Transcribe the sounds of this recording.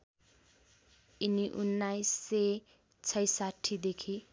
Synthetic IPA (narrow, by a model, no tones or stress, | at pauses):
iniʔunːajsːe | t͡sʰʌjsaʈʰːid̪ekʰi